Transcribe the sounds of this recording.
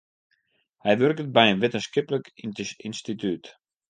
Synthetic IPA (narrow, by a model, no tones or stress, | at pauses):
hɛjʋørkət̚bɛjənʋɪtənskɪpləkinstityt